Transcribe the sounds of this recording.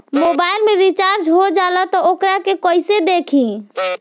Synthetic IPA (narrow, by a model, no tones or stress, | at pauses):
mobailmeɾit͡ʃaɾd͡ʒɦod͡ʒalɔt̪ɔokɾakekəjsed̪ekʰĩ